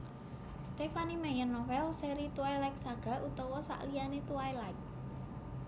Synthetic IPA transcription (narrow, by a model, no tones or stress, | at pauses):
st̪efanimɛjərnːɔwɛlseɾit̪uailajk̚saɡ̥a̤ʔut̪ɔwɔsa̰ʔlijanet̪uailajk̚